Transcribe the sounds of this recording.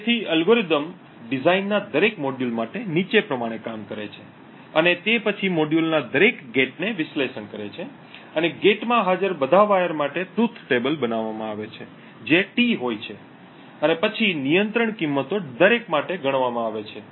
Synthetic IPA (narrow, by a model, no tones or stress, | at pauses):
et̪ʰiəlɡoɾid̪əm | ɖɪzainːad̪əɾekmoɖjulmaʈenit͡ʃepɾəmaɽ̃ekamkəɾḛt͡ʃʰe | ənet̪epət͡ʃʰimoɖjulnad̪əɾekɡeʈ̚neʋɪʃleʃəɳkəɾet͡ʃʰe | əneɡeʈmãɦad͡ʒəɾbəd̪ʱaʋajəɾmaʈet̪ɾut̪ʰːʈebəlbənaʋːamãaʋet͡ʃʰe | d͡ʒeʈiɦojt͡ʃʰe | ənepət͡ʃʰinijənt̪ɾəɳkimːət̪od̪əɾekmaʈeɡəɽ̃ʋamãaʋet͡ʃʰe